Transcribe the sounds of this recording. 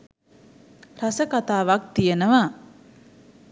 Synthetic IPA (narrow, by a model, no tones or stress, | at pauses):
ɾasəkat̪aːʋak̚t̪ijenəʋa